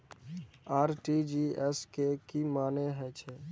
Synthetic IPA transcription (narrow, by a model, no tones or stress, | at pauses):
aːɾʈid͡ʒiɛskekimaːneɦɛt͡ʃʰe